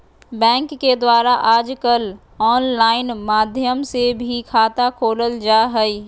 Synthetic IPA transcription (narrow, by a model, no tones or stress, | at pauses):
bɛ̃ːŋkːed̪waːɾaʔaːd͡ʒkəl | ɔːnlaːɪnmaːd̪ʱjəmsebʱikʰaːt̪akʰoːləld͡ʒaːɦɛiː